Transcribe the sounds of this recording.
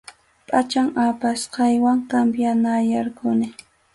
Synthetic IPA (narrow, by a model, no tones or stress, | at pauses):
pʼat͡ʃaŋapasqɑjwaŋkambjanajaɾkʊnɪ